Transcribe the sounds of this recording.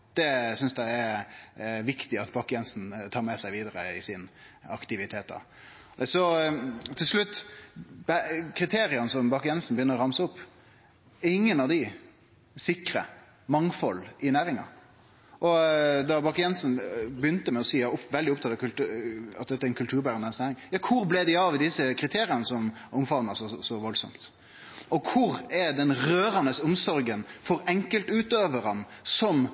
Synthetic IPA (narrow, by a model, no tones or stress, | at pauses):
d̪̥ɛsʏnsd̪æɪɛɾ | ʋɪkt̪ɪɑt̪bɑkːjɛnsnt̪ʰɑːɾmɛsæɪʋiːd̪əɾəɪsɪnɑ̰kt̪ɪʋɪt̪ʰeːt̪̚d̪ɑ̰ | sɔt̪ʰːɪlʂlʉt̪ːbækʰɾɪt̪ʰeːɾɪənəsɔmbɑkːjɛnsn̩bəjʏnːəɾɔʁɑmsəʊpː | ɛɪŋːənɑʋd̪ɪ | sɪkɾə̰ | mɑŋfɔlɪnæːɾɪŋɑ̰ | ʔɔd̪ɑbɑkjɛnsn̩bəjʏnt̪əmɛɔsiːjɑʊpʋɛld̪ɪʊpt̪ʰɑt̪ːɑkʉlt̪ːɑ̰t̪̚d̪ɛt̪ːəɾɛnkʰʉlt̪ʰʉːɾbæːɾənd̪ɛnsnæːɾɪŋjɑːkʰʊɾblɛd̪ɪɑʋd̪ɪsːəkʰɾɪt̪ʰeːɾɪənəsɔmʊmfɑʋnɑsɔsɔʋɔlsɔ̰mt̪ | ɔkʰʊɾɛɾd̪ɛnɾøːɾɑnəsʊmsɔɾɡənfɔɾɛŋkəlt̪ʉːt̪øːʋəɾɑnsɔm